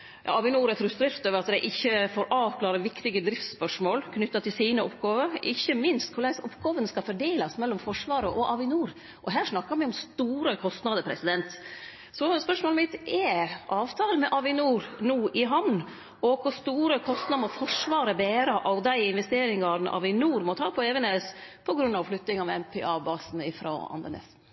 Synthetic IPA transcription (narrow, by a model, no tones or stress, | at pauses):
ɑ̰ɑʋɪnuːɾɛt̪ɾʉːst̪ɾɪft̪øːʋəɾɑt̪d̪æɪʔɪçːəfoːɾʔɑːʋkʰlɑːɾəʋɪkt̪ɪɡəd̪ɾɪft̪spœʂmoːlkʰnʏt̪ːɑt̪ʰɪlsiːnəɔpɡɑːʋəɾʔɪçːəmɪnst̪kʰʊlæɪsɔpːɡɑːʋənəskɑfɔɖeːlɑsmɛlːɔmfɔʂʋɑːɾəʔɔʔɑʋɪnuːɾ | ʔɔɦæːʂnɑkːɑɾmɛɪɔmst̪uːɾəkʰɔst̪nɑd̪əpʰɾɛsɪd̪ɛnt̪ | sɔspœʂmoːləmɪt̪ɛʔɑːʋt̪ʰɑːlmɛʔɑʋɪnuːɾnuːʔɪɦɑʋn | ɔkʰʊɾst̪uːɾəkʰɔst̪nɑd̪mɔfɔʂʋɑːɾəbeːɾəʔɑʋd̪æɪɪnʋɛst̪eːɾɪŋɡɑɾn̩ʔɑ̰ʋɪnuːɾmɔt̪ʰɑːpʰɔɛːʋəneːspʰɔɡɾʉnːɑʋflʏt̪nɪŋɑmɛɛmpʰɛɑːbɑːsn̩ɪfɾɔ̰ɑ̰nd̪ə̰nɛ̰s